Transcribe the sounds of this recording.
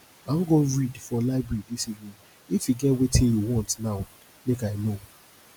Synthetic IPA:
ãm̩ɡoɹidfɔlaɪbɹɛɹidisivnĩn | ifiɡɛtwetʰĩjuwɔ̃ntnaʊ | mekaɪno

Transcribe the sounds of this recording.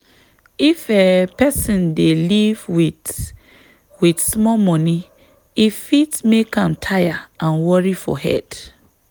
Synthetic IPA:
ifepɛsĩndelivwi | widsmɔmɔni | ifitmekãmtʰajaãnwɔɹifɔ̰hɛ̰d

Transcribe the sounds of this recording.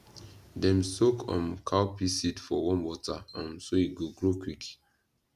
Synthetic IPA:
dɛ̃msokʰɔ̰̃mkʰawpisitfɔwɔ̃nwɔtaɔ̃nsoiɡoɡɹokwik

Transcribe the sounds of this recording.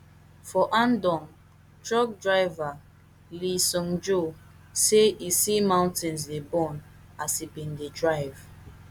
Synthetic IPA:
fɔʔãndɔ̃ŋ | tɹɔk̚dɹaɪva | lisɔ̃ŋd͡ʒo | seisimãʊ̃ntĩns̬debɔ̃n | asibĩndedɹaɪv

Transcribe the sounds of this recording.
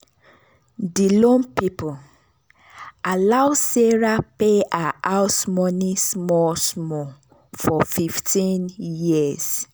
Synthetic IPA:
dilõnpipu | alawseɹapeaʔasmɔnismɔsmɔ | fɔfiftĩnjis

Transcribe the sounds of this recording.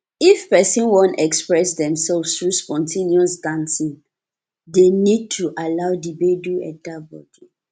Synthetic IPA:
ifpɛsɔ̃nwɔ̃ntɛkspɹɛsdɛ̃msɛlfstɹuspɔ̃ntʰĩniɔsdãnsĩŋ | denid̚tʰuʔalaʊdibeduɛ̰tabɔ̰di

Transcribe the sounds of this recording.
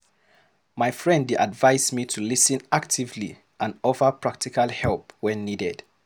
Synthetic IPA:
maɪfɹɛ̃ndadvaɪzmitʰulisɨ̃nak̚tʰivlḭ | ʔãnɔvə˞pʰɹ̥ak̚tikalˠhɛlˠp̚wɛ̃nːidɛd̥

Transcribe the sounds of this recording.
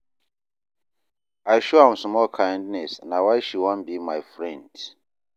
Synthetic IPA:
ajʃɔãmsmɔlkʰãj̃ndnɛsnawajʃiwɔ̃nbimajfɹɛ̃nd̥

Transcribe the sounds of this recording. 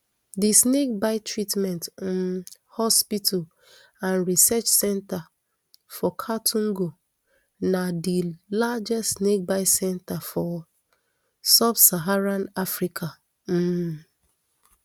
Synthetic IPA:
disnek̚baɪtʰɹitmɛ̃nt | hɔspitʰal | ãnɹisɛt͡ʃsɛ̃nta | fɔkʰatʰũŋɡo | nadilad͡ʒɛstsnek̚baɪsɛ̃ntafɔ | sabsaɦaɹãnafɾikʰa | m̩

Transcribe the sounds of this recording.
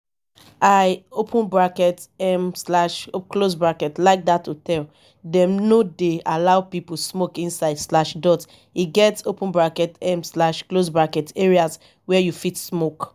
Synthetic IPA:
aɪopʰə̃nbɹakɛtɛmslaʃoklosbɹakɛtlaɪk̚datʰːutɛl | dɛ̃mnodealaʊpip̩smokĩnsaɪdslaʃdɔt | iɡɛtsopə̃nbɹakɛtɛ̃mslaʃklosbɹakɛteɹias | wɛjufitsmok

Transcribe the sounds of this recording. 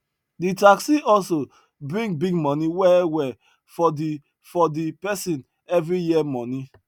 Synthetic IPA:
ditaksiɔlso | bɹĩŋɡ̚biɡmɔ̃niwɛwɛ | fɔdi | fɔdipɛsĩn | ɛvɹijiɛmɔ̃ni

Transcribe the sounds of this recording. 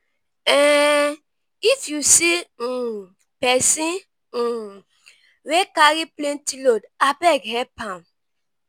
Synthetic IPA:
ɛ̃ | ifjusi | pɛsĩ | wekaɾiplẽntilodabɛɡɦɛpãn

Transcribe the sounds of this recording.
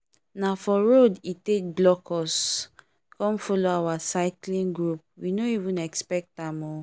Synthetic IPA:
nafɔɹoditek̚blɔkʰɔs | kɔ̃mfɔloawasaɪklĩnɡɹup̚winoivũnɛkspɛk̚tãmɔ

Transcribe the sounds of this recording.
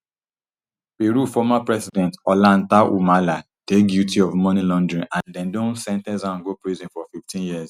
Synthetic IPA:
peɾufɔmapɹɛsidɛ̃ntɔlãntaʔṵmala | tek̚djutiɔvmɔnilɔ̃ndɹĩnʔãndɛ̃ndõnsɛ̃ntɛzãnɡopɹizĩnfɔfiftĩnjiz

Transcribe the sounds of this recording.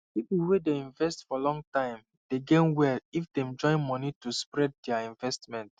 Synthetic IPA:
pipulwedeĩnvɛstfɔlɔ̃ŋtãɪ̃m | d̥eɡẽnwɛlifdɛ̃md͡ʒɔ̃ɪ̃nmɔnituspɹɛd̚dɛaĩnvɛstmɛ̃nt

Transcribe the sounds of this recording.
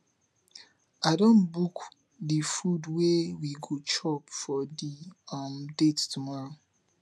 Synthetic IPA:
adõnbuk | difudwewiɡot͡ʃɔpfɔdiamdettumɔɹo

